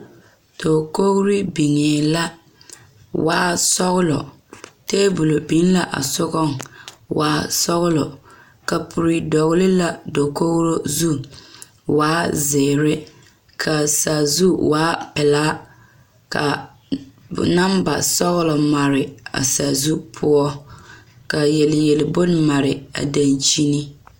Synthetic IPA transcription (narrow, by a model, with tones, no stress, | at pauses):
tʰo˨ko˦ɣɾi˦bi˨ŋeː˨la˦ | waː˦sɔ˦ɣlɔ̰˨ | teː˦bʊ˨lo˨bi˦n˦la˨ʔa̰˨sʊ˦ɣɔ˦ŋwaː˦sɔ˦ɣlɔ˨ | ka˨pʰʊ˨ɾi˨dɔ˨ɣlɪ˦la˨do˨ko˦ɣɾo˦zu˦ | waː˦ze˨ɾɪ˦ | kʰa˨sa˨zu˦waː˦pɪ˨laː˦ | ka̰˨ | na˦mba˨sɔ˦ɣʊ˦lɔ˨ma˨ɾɪ˨a̰˨sa˨zu˦pʰʊ˦ɔ˦ | ka˨jɛ˨lɪ˨jɛ˨lɪ˨bʊ˦n˦ma˨ɾɪ˨a̰˨da˨nt͡ʃi˦ni˦